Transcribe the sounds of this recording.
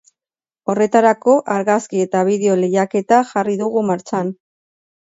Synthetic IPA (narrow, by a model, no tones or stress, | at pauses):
o̞re̞t̪aɾako̞ʔaɾɣaskie̞t̪aβ̞iðe̞o̞le̞jake̞t̪aʝariðuɣumaɾt͡ʃan